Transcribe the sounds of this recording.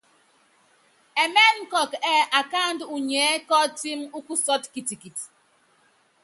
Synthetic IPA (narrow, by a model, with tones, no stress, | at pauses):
e˨mɛ˦ŋ̩˦kɔ˨kɛ˦ʔa˨ka˦˨n˦du˨ɲɛ˨˦kɔ˦ti˦mu˦ku˦sɔ˦tki˨ti˨ki˨t